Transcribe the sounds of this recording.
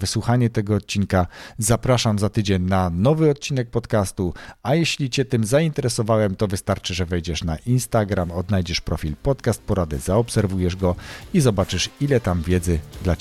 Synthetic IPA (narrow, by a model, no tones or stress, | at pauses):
vɘswuxaɲɛt̪ɛɡɔːt̪̚t͡ɕinkazapɾaʂamzat̪ɘd͡ʑeɲnanɔvɘɔt̪̚t͡ɕinɛk̚pɔt̪kast̪uajɛɕlʲit͡ɕɛt̪ɘmzaint̪ɛɾɛsɔvawɛmt̪ɔvɘst̪aɾt͡ʂɘʐɛvɛjd͡ʑɛʂnaʔinst̪aɡɾamɔd̪najd͡ʑɛʂpɾɔfʲilpɔt̪kast̪̚pɔɾad̪ɛ̰zaɔpsɛɾvujɛʐɡɔizɔbat͡ʂɘʂilɛt̪amvʲjɛd̪zɘd̪la